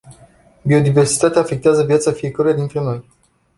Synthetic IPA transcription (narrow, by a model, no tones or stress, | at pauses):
bio̞d̪ive̞rsi̥t̪at̪eaːfe̞k̚t̪eazəvjat̪safie̞kəɾujad̪int̪ɾe̞no̞j